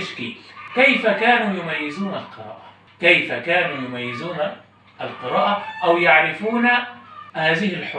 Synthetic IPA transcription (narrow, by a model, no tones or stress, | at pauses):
ɪʃkḭkejfakaːnuːjʊmajːɪzuːnalqɨɾˤa̰ːʔa | kejfakaːnuːjʊmajːɪzuːna | ʔalqɨɾɑːʔaʔawjaʕɾɪfuːnahaːðɪhɪlħʊ